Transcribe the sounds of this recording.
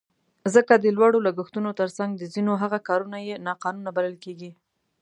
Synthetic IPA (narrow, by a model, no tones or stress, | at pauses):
zəkad̪əlwɑɽolaɡəxt̪unot̪əɾsaŋɡd̪əzinoɦaɣakɑɾunajenɑqɑnunabaləlkeɡi